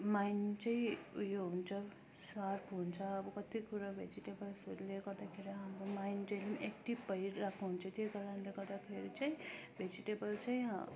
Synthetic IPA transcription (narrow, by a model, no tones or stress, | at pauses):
majnt͡saĩujoɦunt͡sʰʌ | sarpʰɦunt͡sʰʌːbʌkʌt̪ikuɾabʱed͡ziʈebʌlsoleɡʌrd̪akʰeɾiɦamromajnʈelimekʈibpʌjrakʰuɦunt͡sʰʌt̪jojɡʌɾanleɡʌrd̪akʰeɾit͡saĩbʱed͡ziʈebʌlt͡saĩɦ